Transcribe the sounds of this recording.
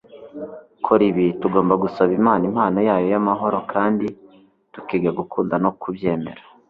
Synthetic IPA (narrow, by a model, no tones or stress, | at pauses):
kʰoɾiβituɡo̞ːmbaɡusaβimaːnimhaːnojaːjo̞jamaɦo̞ɾo̞kʰaːndi | tukiːɡaɡukʰuːndano̞kubje̞ːme̞̰ɾa